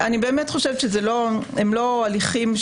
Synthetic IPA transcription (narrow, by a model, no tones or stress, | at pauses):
anibe̞ːmetχo̞ʃevʃezelo | emlo̞aliχim